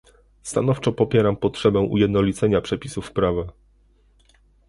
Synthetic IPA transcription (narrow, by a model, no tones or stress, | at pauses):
st̪anɔft͡ʂɔpɔpʲjɛɾampɔtʂɛbɛ̃w̃ʔṵjɛd̪nɔlʲit̪sɛɲapʂɛpʲisufpɾava